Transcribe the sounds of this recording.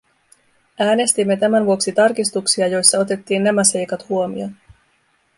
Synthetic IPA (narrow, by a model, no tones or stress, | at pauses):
æːne̞st̪imːe̞t̪æmænʋuo̞ksit̪ɑrkist̪uksiɑjo̞jsːɑo̞t̪e̞t̪ːiːnːæmæse̞jkɑt̪huo̞mḭo̞n